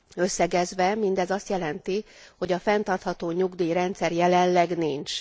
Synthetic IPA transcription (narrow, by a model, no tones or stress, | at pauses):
ø̞sːɛɡɛzʋɛmind̪ɛzɒst̪jɛlɛnt̪i | ho̞ɟɒfɛnt̪ɒrt̪hɒt̪oːɲuɡd̪iːɾɛnt̪sɛrjɛlɛnlɛɡniɲt͡ʃ